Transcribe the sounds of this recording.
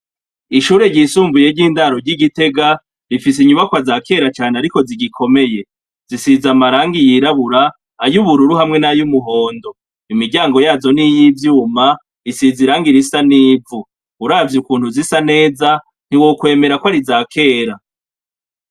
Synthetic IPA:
iʃuːɾe̞ɾɟisuːmbuje̞ɾɟiːndaɾo̞ɾɟiɡite̞ɡa | ɾifis̬iɲuβakwazaːkʰe̞ːɾat͡ʃaːneaɾiko̞ziɡikʰo̞me̞je̞ | z̥isizamaɾaːŋɡijiɾaβuɾaː | juβuɾuɾuɦamŋe̞najumuɦo̞ːndo̞ | imiɟaːŋɡo̞jaːzo̞nijivjuːma | isiziɾaːŋɡiɾisaniːvu | uɾaːvjukuːnhuzisane̞ːza | n̥hiwokwe̞ːme̞ɾakwaɾizaːkʰe̞ːɾa

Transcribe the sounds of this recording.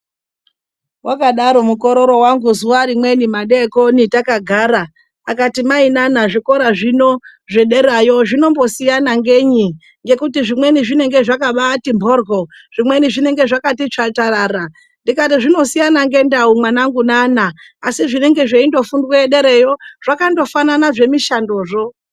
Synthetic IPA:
wʔakaɗaɾo̞muko̞ɾo̞ɾo̞waŋɡuzuwaɾimwe̞nimaɗeko̞nitakaɡʱaːɾaː | katimainanaʐiko̞ɾaʐino̞ʐe̞ɗe̞ɾajo̞ʐino̞mbo̞sijanaŋɡe̞ɲi | ŋɡe̞kutiʐimwe̞niʐine̞ŋɡe̞ʐakaɓatimbʱo̞rɡo̞ʐ̥imwe̞niʐine̞ŋɡe̞ʐakatit͡ʂataraːɾa | ndikatiʐino̞sijanaŋɡe̞ndaumwanaŋɡunanaː | siʐineŋɡe̞ʐeindo̞fundweeɗeɾejo̞ʐ̥akando̞fananaʐe̞miʃando̞ːʐo̞

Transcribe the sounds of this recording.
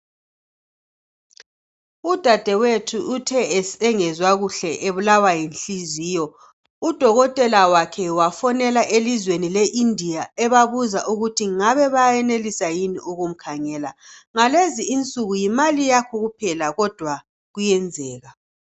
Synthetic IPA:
ud̥ʱad̥ʱɛwetʰuːtʰɛɛsɛŋɛzwaɣuɬɛʔeβulawajinɬiziːjɔ | ud̥ʱɔɣɔtʼɛlawakʰɛwafɔnɛlaʔelizwenileʔindʱijaɛβaβuzaʔuɣutʰiŋaβɛβajjɛnelisajiniʔuɣum̩kʰaŋɛːla̰ŋaleziːnt͡sʼuɣujimalijakʰɔɣupʰɛlaɣɔd̥ʱwa | ɣujɛnd͡zʱɛːɣa

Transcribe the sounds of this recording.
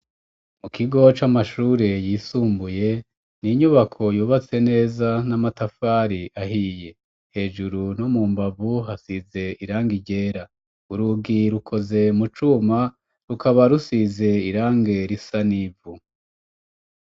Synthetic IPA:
mukiɡo̞t͡ʃamaʃuːɾejiːsuːmbuje̞ | niɲuβakʰo̞juːβat͡se̞ne̞ːzanamatafaːɾiʔaɦije̞ | he̞ːʒuɾunomuːmbavuɦasize̞iɾaːŋɡiɟe̞ːɾa | uɾuɡiɾukʰo̞ze̞mut͡ʃuma | ɾukaβaɾusize̞iɾaːŋɡe̞ɾisanivu

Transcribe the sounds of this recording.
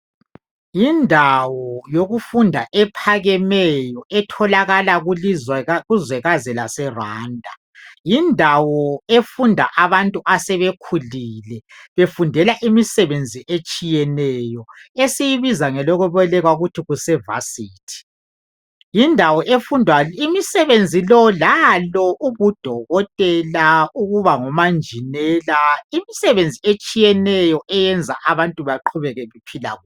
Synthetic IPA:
jindʱawɔjoɣufundʱaʔɛpʰaɣɛmɛjɔɛtʰɔlaɣalaɣ | ɣuzwɛɣazɛlasɛraːndʱa̰ | jindʱawɔefundʱa̰ʔaβantʼuʔasɛβekʰuliːlɛβefundʱɛlaʔimisɛβend͡zʱiʔet͡ʃʼijɛnɛjɔesijiβizaŋɛlɔɣuβɔlɛɣwaɣutʰiɣusɛva̰siːtʰi̥ | jindʱawɔʔefundʱwaimisɛβend͡zʱilɔlalɔʔuβud̥ʱɔɣɔtʼɛlauɣuβaŋɔmand͡ʒʱinɛlaimisɛβend͡zʱiet͡ʃʼijɛnɛjɔʔɛjɛnd͡zʱa̰ʔaβantʼuβaǃʰuβɛɣɛβipʰila̰ɣu

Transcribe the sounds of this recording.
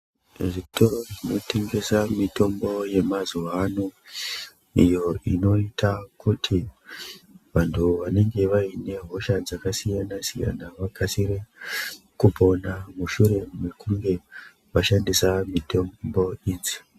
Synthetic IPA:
viktorʐino̞te̞ŋɡe̞samito̞mbo̞je̞mazuʋano | ijo̞ino̞itakutʰi | ʋantʰuʋane̞ŋɡe̞ʋaine̞ɦo̞ʃad͡zakasijanasija̰naʋaɡʱasire | kupo̞namuʃuɾe̞e̞kuŋɡe̞ | ʋaʃandisamito̞bo̞iːnzi̥

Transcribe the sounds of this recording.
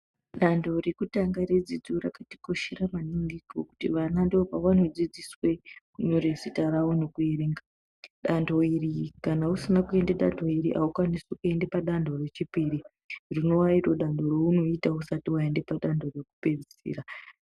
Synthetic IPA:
ɗando̞re̞kutaŋɡaɾed͡zid͡zurakati̥ko̞ʃeɾamaniŋɡikoku̥tḭʋanandeopawanod͡zid͡ziswe̞kuɲoɾesitaɾawono̞kueɾeːŋɡa | ɗandʱo̞iɾikanausinakue̞ndeɗa̰ndʰo̞iɾḭʔaukwanisukue̞ndepaɗandʱore̞t͡ʃipiːɾi | rino̞wairoɗandʱo̞ɾouno̞itausatiwae̞ndepaɗandʱo̞re̞ku̥pe̞d͡zi̥ḭɾa

